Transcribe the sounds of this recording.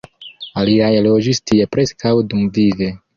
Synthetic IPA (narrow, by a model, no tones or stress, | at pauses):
aliajelod͡ʒistiepɾeskawdumvive